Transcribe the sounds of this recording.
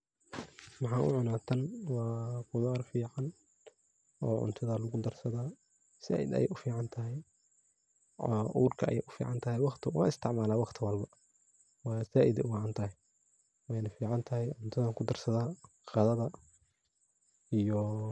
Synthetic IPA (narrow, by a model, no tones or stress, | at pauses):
mɑħɑːʔʊ̰ʕʊnaːt̪ʰɐnwɑːqʊðaːrfiːʕɑn | ɔːʕʊ̰nt̪ʰɐðɐlʊɣʊd̪ɐrsɐðaː | sa̰ːʔɪ̰d̪ɐ̰jɛ̰jʔʊfiːʕɑnt̪ʰɐɦɛj | ʔuːrkʰɐʔɐ̰jɛjʔʊfḭːʕɑnt̪ʰɐɦɛjwɑqt̪ʰɪwʔɑ̰ːɪst̪ʰɪʕmaːlaːwɑqt̪ʰɪwɐlbɐ | wɑːsaːʔɪd̪ɛʊwɑːʕɑnt̪ʰɐɦɛ | wɛjnɐfiːʕɑnt̪ʰɐɦɛjʕʊnt̪ʰɐðɐkʰʊd̪ɐrsɐðaː | qɑðɐðɐ | ijɔ